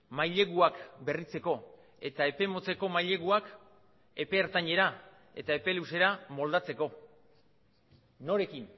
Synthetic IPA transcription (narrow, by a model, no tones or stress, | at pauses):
majʎe̞ɣuakbe̞rit͡se̞ko̞ | e̞t̪ae̞pe̞mo̞t͡se̞ko̞majʎe̞ɣuak | e̞pe̞ːɾt̪aɲe̞ɾa | e̞̰t̪ae̞pe̞luse̞ɾamo̞ld̪at͡se̞ko̞ | o̞ɾe̞kin